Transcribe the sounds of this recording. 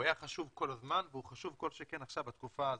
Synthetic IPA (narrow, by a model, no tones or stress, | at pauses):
ajaχaʃuvko̞lazmanveuχaʃuvko̞lʃekenaχʃavbat̪kufaːz